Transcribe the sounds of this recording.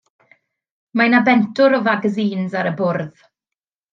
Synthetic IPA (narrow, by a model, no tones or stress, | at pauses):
majnabɛntʰʊɾɔvaɡəziːnzaɾəbʊrð